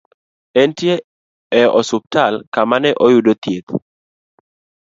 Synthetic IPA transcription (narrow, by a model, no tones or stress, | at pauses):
ɛntje | ɛɔsʊb̚talkamanɛʔɔjʊdot̪jet̪